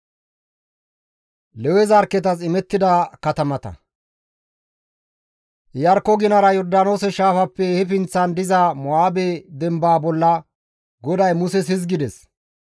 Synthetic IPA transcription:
lɛwɛzɐɾkːɛt̪̬ɐs̬ɪmɛt̪ːɪd̪ɐkɐt̪ɐmɐt̪ɐ̰ | jɐɾkːɔɡɪnɐɾɐjɔɾd̪aːno̞ːsɛʃaːfɐpːɛhɛpɪnt͡sːɐnd̪ɪzɐmɔaːbɛd̪ɛmbaːbɔlːɐ | ɡɔd̪ɐjmʊsɛs̬ɪzɡɪd̪ɛs

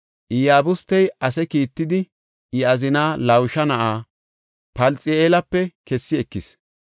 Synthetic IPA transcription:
ʔɪjaːbʊst̪ːɛjɐsɛkiːt̪ːɪd̪ɪ | ʔɪɐzɪnaːlɐwʃɐnɐʔaː | pɐlt͡sʼɛeːlɐpːɛkɛsːɪɛkːɪs

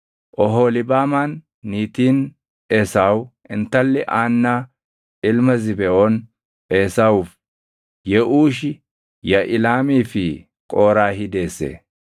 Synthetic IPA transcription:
ʔɔɦoːlɪbaːmaːnː | iːt̪iːn | eːsaːw | ɪnt̪ɐlːɛʔaːnːaː | ʔɪlmɐzɪbɛʔon | e̞ːsaːwʊf | jɛʔuːʃ̬ɪ | jɐʔɪlaːmiːfɪ | kʼo̞ːɾaːɦɪd̪e̞ːsːḛː

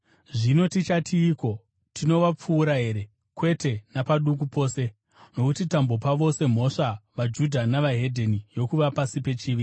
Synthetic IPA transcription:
ʐino̞tit͡ʃatʰiːko̞ | tʰino̞ʋap͡fuːɾaɦe̞ɾe̞ | kwe̞te̞napaɗuk̬upo̞ːse̞ | no̞kutitambo̞paʋo̞se̞m̤o̞ʂaʋad͡ʒudʱanaʋaɦe̞dʱenijo̞kuʋapasipe̞t͡ʃiːʋi

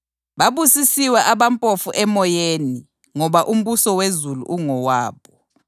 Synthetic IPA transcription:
βaβusisiwɛʔaβampʼofuʔɛmɔjeni | ŋɔβaʔum̩βusɔwezulṵʔuŋɔwaːɓɔ

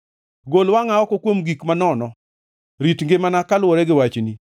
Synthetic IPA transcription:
ɡolwaŋaɔkɔkwomɡikmanɔnɔ | ɾitŋɡemanakalwɔɾɛɡɪwat͡ʃni

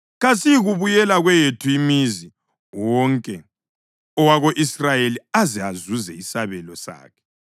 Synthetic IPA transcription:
ɣasijɣuβujɛlaɣwejetʰuimizi | wɔŋkʼɛ | ɔwaɣoʔisrajeliazɛazuzɛisaβɛlɔsa̰ːkʰɛ̥

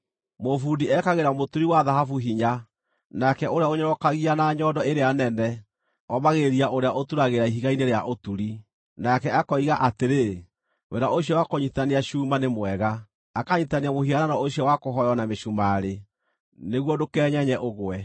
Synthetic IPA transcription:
mofudiɛkaɣeɾamotuɾiwaðaɦafuɦiɲa | nakɛoɾeaoɲɔɾɔkaɣianaɲɔdɔeɾeanɛnɛ | ɔmaɣeɾiaʔoɾeaʔotuɾaɣeɾaiɦiɣaineɾeaʔotuɾi | nakɛakɔiɣaʔateɾe | wḛɾaʔoɕiɔwakoɲitaneaʃuːmanemwɛɣa | akaɲitaneamohɦiaɾanɔoɕiɔwakoɦɔjɔnameʃumaɾe | neɣwɔdokɛːɲɛɲɛʔoɣwɛ

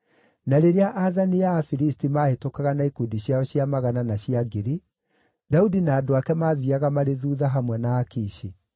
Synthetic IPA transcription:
naɾeɾeaʔaðanijaːfiɾistimaːhetokaɣanaikudiɕjaɔɕjamaɣananaɕiaɡeɾi | daudinaːdoakɛmaːðiaɣamaɾeðuːðaɦamwɛnaːkiːɕe

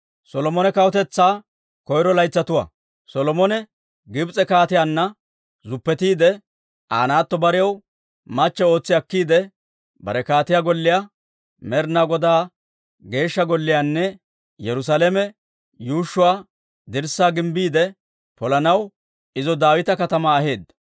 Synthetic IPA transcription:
sɔlɔmɔnɛkɐwɔt̪ɛt͡sːaː | kɔjɾɔlɐjt͡sːɐt̪ʊwa̰ː | sɔlɔmɔnɛ | ɡɪbt͡sʼɛkaːt̪ɪjaːnːɐ | zʊpːɛt̪iːd̪ɛ | ʔaːnaːt̪ːɔbɐɾɪjɐw | mɐt͡ʃːɛo̞ːt͡sːɪjɐkːiːd̪ɛ | bɐ̰ɾɛkaːt̪ɪjaɡɔlːɪja | mɛɾnaɡɔd̪aː | ɡe̞ːʃːɐɡɔlːɪjaːnːɛ | jɛɾʊs̬alɛmɛ | juːʃːʊwaː | d̪ɪɾsaːɡɪmbiːd̪ɛ | pɔlɐnɐw | ɪzɔd̪aːwɪt̪ɐkɐt̪ɐmaːɦe̞ːd̪ːɐ̥

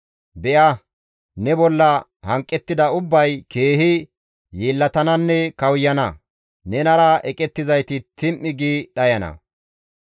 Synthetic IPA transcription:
bɛʔɐ | nɛbɔlːɐ | hɐŋkʼːɛt̪ːɪd̪ɐʊbːɐjke̞ːhɪ | jeːlːɐt̪ɐnɐnːɛkɐwjːɐnɐ | nɛnɐɾɐɛkʼɛt̪ːɪzɐjt̪ɪt̪ɪmʔːɪɡiɗɐjɐnɐ̰

